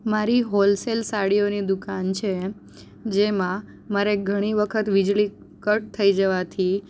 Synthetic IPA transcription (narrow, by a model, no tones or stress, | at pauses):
maɾiɦolselsaɽionid̪ukant͡ʃʰe | d͡ʒemã | maɾeɡʱəɽ̃iʋəkʰət̪ʋid͡ʒɭi | kəʈ̚t̪ʰːəid͡ʒəʋat̪ʰi